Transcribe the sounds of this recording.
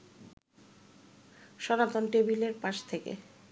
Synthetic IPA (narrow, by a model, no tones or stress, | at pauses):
ʃɔnat̪onʈebileɾpaʃt̪ʰekḛ